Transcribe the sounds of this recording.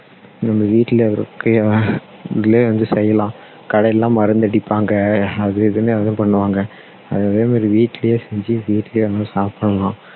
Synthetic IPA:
nɐmːɐʋiːʈːɪlɐʋɐɾkːɯ | ðɪleːʋɐnd̪ɯsɛjːɐlãː | kɐɽɐlːãːmɐɾɐnd̪ɐɽɪpːaːŋɡɐɐðɯɪðɯnɯɐðɐ̃ːpɐɳːɯʋaːŋɡɐ | ɐðeɐðeːmaːɾiʋiːʈːɪlɐjeːsɛɲd͡ʒɯʋiːʈːɪljeːɐnãsaːpːɐɳɐlãː

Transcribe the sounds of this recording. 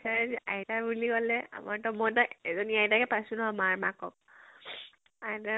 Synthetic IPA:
sazʔajtabulikɔlɛa̰maɹtɔmɔjtaɛzɔniajtakɛpajsunɔɦɔmaɹmakɔk̚ | ada

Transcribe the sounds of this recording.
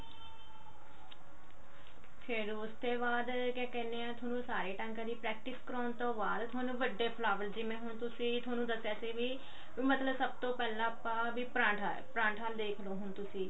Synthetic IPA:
pʰɪɾʊst̪eːbaːd̪ | kɛːkɛːneːãːt̪ʰoːnũːsaːɾeːʈəŋkəd̪iːpɾɛːk̚ʈɪskəɾɔːnt̪õːbaːd̪t̪ʰʊwaːnũːʋəɖːeːpʰlaːʋəld͡ʒɪmɛ̃ːɦʊnt̪ʊsĩːt̪ʰʊaːnũːd̪əseːseːʋiː | mət̪ləbsəb̚t̪õːpɛːlãːpːãːʋiːpɾãːʈa | pɾãːɳʈʰaːld̪eːkʰloːɦʊnt̪ʊsĩː

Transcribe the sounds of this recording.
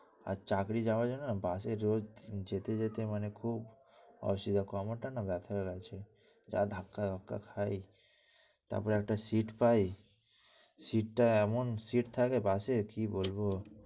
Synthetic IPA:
a̰ɾt͡ʃakɾid͡ʒabad͡ʒɔnnabaseɾod͡ʒd͡ʒet̪ed͡ʒet̪emənekʰub | ɔ̰bsid̪ʱakamɔʈanabɛt̪ʰɔeɡat͡ʃʰe | d͡ʒa̰d̪ʱakːad̪ʱakːa̰kʰaj | t̪a̰ɾpɔɾeɛk̚ʈasiʈpaj | siʈʈaɛmonsiʈt̪ʰakebasekibolbo

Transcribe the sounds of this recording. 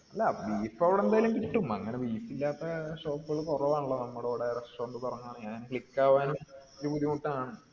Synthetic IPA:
ɐlːaʋiːfɐʋiɽe̞nd̪aːjɐlumkiʈːumɐŋːɐneʋiːfilːaːt̪ːɐɕo̞ːpːuɣɐɭkorɐʋaːnuɭːɐnɐmːuɽoʋiɽeɾɐsʈoːɳɖɨpɐrɐɲːuaːɳɨɲaːŋːnkɭikːaːʋaːnoɾupuðimut̪ːɐaːɳɨ

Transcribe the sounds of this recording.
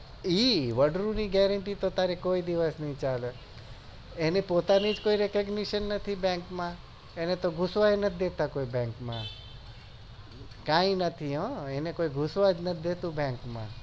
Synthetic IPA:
iʋəɖɾuniɡɛɾəɳʈit̪ot̪aɾekoid̪iʋəsnɦĩt͡ʃale | enepot̪anid͡ʒkoiɾekəɡniʃənːət̪ʰibɛ̃ŋkmã | enet̪oɡʱusʋaenət̪ʰd̪et̪akoibɛ̃ŋkmã̰ | kãĩnət̪ʰiɦɔ̃enekoiɡʱusʋad͡ʒnəd̪et̪ũbɛ̃ŋkmã̰

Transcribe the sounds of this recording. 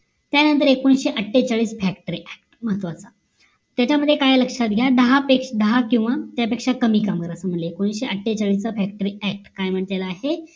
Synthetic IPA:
t̪janənt̪əɾekːonɕeʔəʈʰːet͡saɭiːsfɛk̚ʈəɾiʔɛk̚ʈməɦət̪ʋat͡sa | t̪jat͡ɕaməd̪ʱːjekajləkʂat̪ɡʱjad̪əɦapekʂd̪əɦakĩw̃ʋat̪japekʂakəmiːkamkəɾəsəm̤əɳleekoñɕeʔəʈʰːet͡saɭiːst͡safɛk̚ʈəɾiæk̚ʈkajm̤əɳt̪jalaːɦe

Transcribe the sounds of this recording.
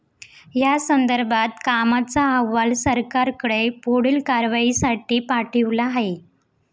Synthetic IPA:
jasənd̪əɾbʱat̪kamat͡saəʋːalsəɾkaɾkəɽepoɽiːlkaɾʋaisaʈiːpaʈʰiʋlaɦe

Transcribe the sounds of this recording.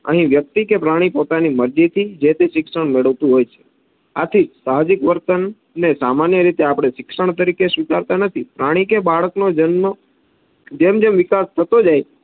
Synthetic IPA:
ə̰ɦĩʋjək̚t̪ikepɾaɽ̃ipot̪animəɾd͡ʒit̪ʰid͡ʒet̪eʃɪkʃəɳ̃meɭəʋt̪ũɦojt͡ʃʰe̥ | a̰t̪ʰid͡ʒsaɦd͡ʒikʋəɾt̪ənː | esamanjəɾit̪eapɽ̃eʃɪkʃəɳ̃t̪əɾikesʋɪk̪aɾt̪anət̪ʰipɾaɽ̃ikebaɭəknod͡ʒənːo | d͡ʒemd͡ʒemʋɪkast̪ʰət̪od͡ʒaj

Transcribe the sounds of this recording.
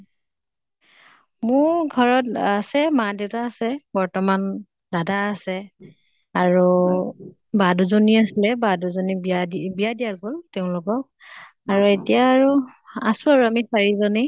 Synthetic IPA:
mʊɹɡʱɔɹɔtasɛmadeʊtaːsɛbɔɹtɔman | dadaːsɛ | aɹu | baduzoniasilɛbaduzoniadibijadijaɡoltɛʊ̃lʊkɔk̚ | aɹuetijaːɹuasʊaɹuamisaɹizɔni

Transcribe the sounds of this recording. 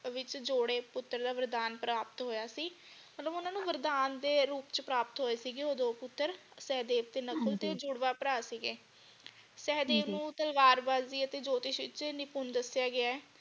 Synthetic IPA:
ʋɪt͡ʃd͡ʒoːɽeːpʊt̪ːəɾd̪aːʋəɾd̪aːnpɾaːpət̪ɦoːjaːsiː | mət̪ləbʊnãːnũːʋəɾd̪aːnd̪eːɾuːpt͡ʃəpɾaːpət̪ɦoːeːsiːɡeːoːd̪oːpʊt̪ːəɾ | sɛːd̪eːpt̪eːnəkʰəlt̪eːd͡ʒʊɽʋaːpəɾaːsiːɡeː | sɛːd̪eːnũːt̪əlʋaːɾbaːzd̪iːət̪eːd͡ʒoːt̪ɪʃʋɪ̰t͡ʃnɪpʊnd̪əsjaːɡɪaːɛː

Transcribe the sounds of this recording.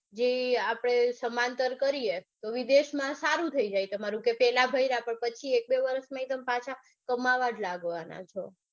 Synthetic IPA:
d͡ʒeapɽ̃esəmant̪əɾkəɾiet̪oʋid̪eʃmãsaɾũt̪ʰəid͡ʒajt̪əmaɾũkepɛlabʱəiɾapəɳpət͡ʃʰiek̚beʋəɾəsmãit̪əmpat͡ʃʰa | kəmaʋaɾlaɡʋana̰t͡ʃʰo

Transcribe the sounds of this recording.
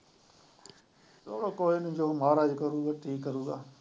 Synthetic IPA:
t̪oːɽoːkoːinũd͡ʒoːmaːɾaːd͡ʒkəɾuːɡaːʈʰiːkːəɾuːɡaː

